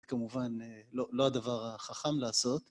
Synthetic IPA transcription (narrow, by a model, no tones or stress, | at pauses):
kamuvanlo̞lo̞ad̪avaʁaχaχamlaːso̞t̪